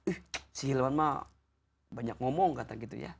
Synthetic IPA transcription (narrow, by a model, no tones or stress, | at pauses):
uhsiilmanma | baɲak̚ŋɔmɔŋkat̪aŋɡit̪ṵja̰